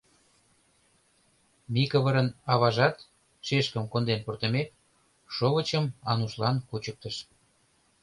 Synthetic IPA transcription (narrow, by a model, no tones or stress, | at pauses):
mikəβəɾənɑβɑʒɑt̪ | ʃeʃkə̆mkond̪enport̪ə̆met̪ | ʃoβə̆t͡ɕəmɑnuʃlɑnkut͡ɕək̚t̪əʃ